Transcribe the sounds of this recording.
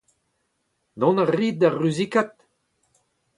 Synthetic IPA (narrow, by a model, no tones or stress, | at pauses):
d̪ɔ̃naʁiːt̪̚d̪aʁyzikat̪̚